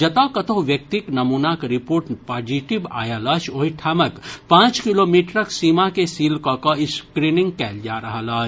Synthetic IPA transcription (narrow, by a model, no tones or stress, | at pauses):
d͡ʒɐt̪akɐt̪õɦʋjɐk̚t̪iknɐmuːnakɾipoːɾʈpaːd͡ʒiʈiba̰ːjalaːʃoːiʈʰaːməkpãːt͡ʃkiloːmiːʈɾəksiːmakesiːlkɔkɐɪskɾiːnɪ̃ŋɡ̚kɛːld͡ʒaːɾɐɦalaːt͡ʃ